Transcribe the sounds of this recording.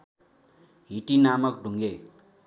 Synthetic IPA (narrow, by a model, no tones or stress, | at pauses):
ɦiʈinamʌk̚ɖʱuŋɡe